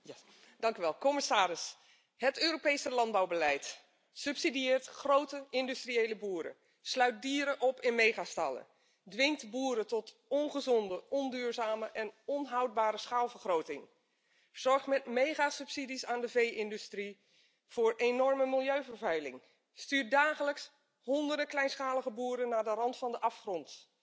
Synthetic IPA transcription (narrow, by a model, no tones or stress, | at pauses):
dɑŋkyʋɛlˠkɔmɪsaːɾɪs | ɦətøːropejsəlɑnd̚bawbəlɛjt | sɵpsidiɪːɹtχrowtəɪndystriejləbuːɾə̰ | slœɥt̚diːɾəʔɔpɪnmejχastɑlˠə̰ | dʋɪŋktbuːɾətɔt | ɔnχəzɔndəʔɔndyːɹzaːməʔɛnɔnɦɑwt̚baːɾəsχaːlˠvəɹχrowtɪŋ | z̥ɔɹχtmɛtmejχasɵpsidisaːndəvejʔɪndystri | v̥ʊːɹʔenɔɹməmɪlˠjøɥvəɹvœɥlɪ̰ŋ | styːɹ̚daːχələks | hɔndərdəklɛjnsχaːlˠəɣəbuːɾənːaːdərɑntfɑndəʔɑfχrɔnt